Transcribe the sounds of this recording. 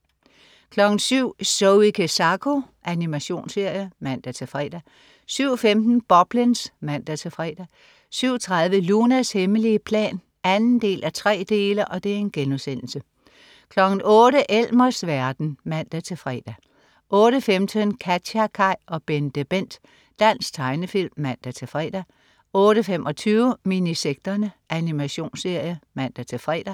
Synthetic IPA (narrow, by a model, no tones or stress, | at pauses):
kʰlɒ̽ɡ̥n̩syʊ̰soʊikʰesɑkʰo̝ʔænimæɕo̝̰ːnse̝ɐ̰jəmæn̰d̥æt͡sʰe̝fʁɛ̰ːd̥æ | syʊ̰ɒfemd̥n̩b̥ɒ̽b̥linsmæn̰d̥æt͡sʰe̝fʁɛ̰ːd̥æ | syʊ̰ɐt͡sʰʁaðˠʋəlunæsheməliəpʰlɛ̰ːn | ænn̩d̥e̝̰ːlʔæt͡sʰʁɛ̰ːd̥e̝ːlɐʔɒ̽d̥e̝æɐe̝nɡ̥enuðsen̰l̩sə | kʰlɒ̽ɡ̥n̩ɔ̽ːɾəʔel̰mɐsʋæɐd̥n̩mæn̰d̥æt͡sʰe̝fʁɛ̰ːd̥æ | ʔɔːɾ̥əfemd̥ʰənkʰæ̥ɑkʰɑ̈ɪ̰ɒ̽b̥end̥eb̥en̰d̥ | d̥æn̰sɡ̥t͡sʰɑ̈ɪnəfil̰mːæn̰d̥æt͡sʰe̝fʁɛ̰ːd̥æ | ɔ̽ːɾ̥əfemʔɒ̽t͡sʰyːʊminiseɡ̥̚d̥ɐnəʔænimæɕo̝̰ːnse̝ɐ̰jəmæn̰d̥æt͡sʰe̝fʁɛ̰ːd̥æ